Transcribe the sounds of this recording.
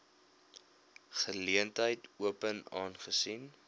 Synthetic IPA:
χəliəntɦəjtuəpənɑːnχəsin

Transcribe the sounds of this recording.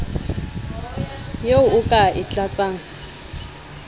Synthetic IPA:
jeʊʊkʼaɪt͡ɬʼat͡sʼaːŋ̩

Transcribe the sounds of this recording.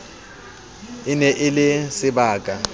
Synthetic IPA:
ɪnɛʔɪlɪsɪbaːkʼa

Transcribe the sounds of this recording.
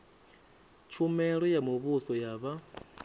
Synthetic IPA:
t͡ʃʰumɛɺɔjamuβusɔjaβa

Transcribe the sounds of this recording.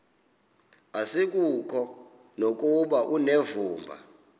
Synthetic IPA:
asik̬ʼukʰɔ | nok̬ʼuɓaʔunevuːmbʱa̰

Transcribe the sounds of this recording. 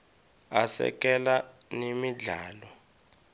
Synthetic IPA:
asɛ̰k̬ʼɛlanemiɮaːlɔ

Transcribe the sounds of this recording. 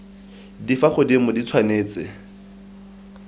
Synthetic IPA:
difaχʊdimʊdit͡sʰwaneːt͡sɪ̰

